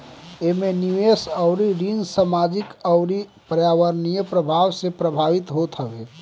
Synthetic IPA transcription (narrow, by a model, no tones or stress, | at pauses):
emeniʋesəʊɾiɾind͡ʒsamad͡ʒikəʊɾipəɾjaʋəɾnijəpɾəbʱawsepɾəbʱaʋit̪ɦot̪ɦəʋe